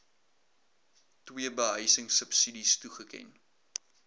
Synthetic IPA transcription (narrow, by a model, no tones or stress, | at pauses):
twiəbəɦəjsəŋsəpsidistuχəkɛ̰n